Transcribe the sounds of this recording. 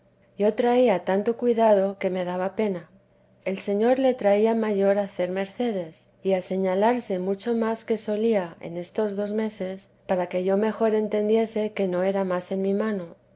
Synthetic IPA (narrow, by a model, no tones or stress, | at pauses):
ɟ͡ʝo̞t̪ɾaiat̪ant̪o̞kwiðað̞o̞ke̞me̞ð̞aβ̞ape̞na | e̞lse̞ɲo̞ɾle̞t̪ɾaiamaʝo̞ɾaθe̞ɾme̞ɾθe̞ðe̞s | iase̞ɲalaɾse̞mut͡ʃo̞maske̞so̞liae̞̰ne̞st̪o̞zðo̞zme̞se̞s | paɾake̞ʝo̞me̞xo̞ɾe̞nt̪e̞nd̪je̞se̞ke̞no̞e̞ɾamase̞nmimãno̞